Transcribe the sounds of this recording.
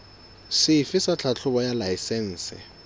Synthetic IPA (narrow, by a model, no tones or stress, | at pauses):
sɪfɪsat͡ɬʰat͡ɬʰʊbɔjalaisɛn̩ːsɪ̰